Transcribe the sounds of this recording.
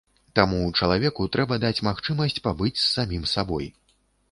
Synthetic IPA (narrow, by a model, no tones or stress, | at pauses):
t̪amut͡ʂɐlˠavʲɛkut̪ɾʔɛbɐd̪at͡sʲmaxt͡ʂɨmɐsʲt͡sʲpabɨt͡sʲsːamʲimsabɔj